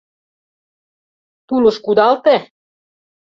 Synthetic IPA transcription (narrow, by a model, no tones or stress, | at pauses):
t̪ulɤ̆ʃkud̪ɑlt̪e